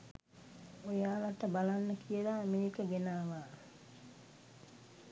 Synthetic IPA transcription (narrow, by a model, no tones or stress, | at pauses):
ojaːlaʈəbalanːəkijəlaːmeɾikəɡenaːʋaː